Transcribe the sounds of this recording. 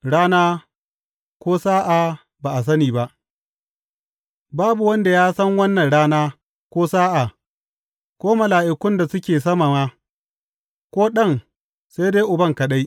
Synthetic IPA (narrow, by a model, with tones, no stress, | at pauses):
ɽaː˦naː˦ | kʷoː˦saː˦ʔa˨ | baː˨ʔa˨s̬ɐ˦niː˨ba˦ʔ | baː˦bu˨wɐ˦nda˨jaː˦sɐ˦ŋwɐ˦nːɐ˨nɽaː˦naː˦ | kʷoː˦saː˦ʔa˨ | kʷoː˦mɐ˨laː˨ʔɪ˨kʷʊ˦nda˨sʊ˦kʲeː˨sɐ˦ma˨maː˦ | kʷoː˦ɗɐ˦˨ŋ | sa˦jdeː˦jʔʊ˨bɐ˦ŋkɐ˨ɗa˦j